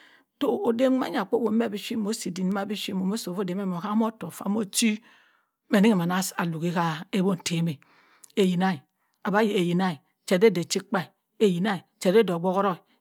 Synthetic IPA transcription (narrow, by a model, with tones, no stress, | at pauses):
to˦o˨de˦a̰˦ɲ˦a˨k͡po˦bo˨˦me˦˨bi˦ʃi˦mo˦si˨di˨n˦ma˦bi˦ʃi˦mo˨mo˦so˨fo˦de˨˦m˦e˦mo˨ka˦m˦o˦to˨fa̰˦mo˦t͡ʃi˦ | me˨ni˦ŋe˨ma˨na˦sa˨lu˨ɣi˦ka˦e˦bo˦˨n̩˨tʰe˨˦me˨ | e˨ji˨na˦i˨ | a˨ba˦je˨e˨ji˨na˦i˨ | t͡ʃe˨de˦de˨t͡ʃi˦k͡pa˦i˨ | e˨ji˨na˦i˨t͡ʃe˦do˨ɡ͡bo˦ɣo˦ɾo˦i˨